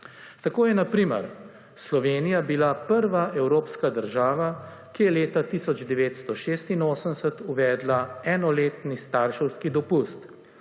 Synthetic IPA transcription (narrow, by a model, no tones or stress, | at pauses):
t̪akoːjɛnapɾiːmə̰ɾ | slɔʋeːnijabilapəɾʋaʔɛwɾoːpskad̪əɾʒaːʋa | kijɛleːt̪at̪isɔd͡ʒd̪ɛʋeːt̪st̪ɔʃeːst̪inoːsəmsət̪uʋɛːd̪laɛːnɔleːt̪nist̪aɾʃəwskid̪ɔpust̪